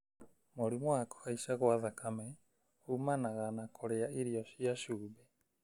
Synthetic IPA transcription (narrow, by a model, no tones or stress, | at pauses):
moɾimwako̥haiʃaɣoaðakamɛ | umanaɣanakʰoɾeaʔiɾiɔʃiaʃuːbɛ